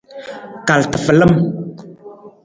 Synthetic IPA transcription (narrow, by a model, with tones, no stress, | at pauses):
ka˨ltə˨fə˨lə˦m